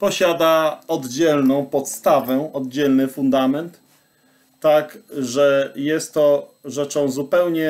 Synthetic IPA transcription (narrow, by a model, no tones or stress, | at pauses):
pɔɕad̪aɔd̪d͡ʑɛlnɔ̃w̃pɔt̪st̪avɛɔd̪d͡ʑɛlnɘfund̪amɛnt̪ː | akʐɛjɛst̪ːɔʐɛt͡ʂɔ̃w̃zupɛwɲɛ